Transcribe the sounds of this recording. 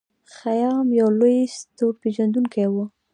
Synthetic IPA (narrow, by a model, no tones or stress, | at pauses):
xajɑmjawlojst̪opeʒand̪uŋkajwə